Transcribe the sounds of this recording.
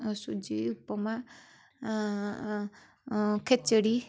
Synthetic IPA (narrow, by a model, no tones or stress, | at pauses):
sud͡ʒiupɔma | kʰet͡ʃəɽi